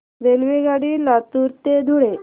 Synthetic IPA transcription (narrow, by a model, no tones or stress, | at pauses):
ɾelʋiɡaɽilat̪uɾt̪ed̪ʱuɽe